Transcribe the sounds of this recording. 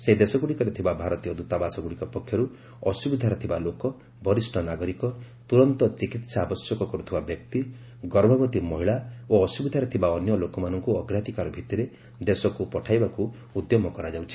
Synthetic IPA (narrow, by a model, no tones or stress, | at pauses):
sed̪esɔɡuɽikɔɾet̪ʰibabʱaɾɔt̪ijɔd̪ut̪abasɔɡuɽikɔpɔkʰjɔɾu | ɔsubid̪ʱaɾɔt̪ʰibalokɔ | bɔɾisʈʰɔnaɡɔɾikɔt̪uɾɔnt̪ɔt͡ʃikit̪saːbɔsjɔkɔkɔɾut̪ʰibabjɔkt̪i | ɡɔɾbʱɔbɔt̪imɔɦiɭaoɔsubid̪ʱaɾɔt̪ʰibaɔnjɔlokɔmanɔŋkuɔɡɾat̪ikaɾɔbʱit̪iɾe | d̪esɔkupɔʈʰajbaku | ud̪jɔmɔkɔɾad͡ʒawt͡ʃʰi̥